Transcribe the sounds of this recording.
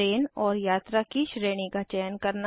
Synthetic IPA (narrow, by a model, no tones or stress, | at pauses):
eːnɔːɾjaːt̪ɾakiʃɾeːɽ̃ikat͡ʃɛjənkɐɾna